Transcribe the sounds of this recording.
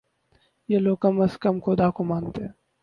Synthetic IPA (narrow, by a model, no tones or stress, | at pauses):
jeloːɡ̚kɐməskɐmxʰoːd̪akomaːnt̪eɛ̃ː